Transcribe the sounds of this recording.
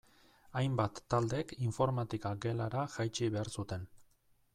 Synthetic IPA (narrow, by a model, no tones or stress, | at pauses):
ajmbat̪ːald̪e̞kiɱfo̞ɾmat̪ikaɡe̞laɾaʝajt͡ʃiβe̞aɾsut̪e̞n